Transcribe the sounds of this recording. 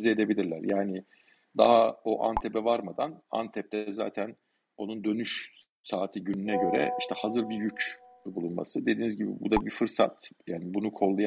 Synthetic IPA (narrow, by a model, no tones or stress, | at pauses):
zɛed̪e̞bilʲiɾlʲæ̰ɾjaːnɪ | d̪a̰ɦao̞ʔa̰nt̪ʰepɛvaɾmad̪ana̰nt̪ʰɛp̚t̪ʰɛza̰ːt̪ʰæn | o̞nund̪ø̞nyʃ | saːt̪ʰiɟynynɛɟø̞ɾɛ̰iʃt̪ʰɛhazɯɾbijycʰbulˠunma̰sɯd̪e̞d̪iːnizɟibḭbṵd̪abifɯɾsa̰t̪jaːnibunukʰo̞lˠːaja